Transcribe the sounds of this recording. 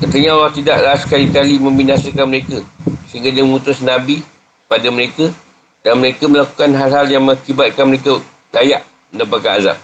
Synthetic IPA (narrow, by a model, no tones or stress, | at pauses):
kət̪əɲaolaht̪idaʔɾasə̥kalikalimə̃mbinasəkanməɾekəsəɦiŋɡadiəməŋut̪ʊsnãbi | kəpadaməɾekə | danməɾekəməlaku̥kanɦalɦaljaŋmə̃ŋakibat̪̚kanməɾekə | dajaʔ | mənəpakanaza̰p̚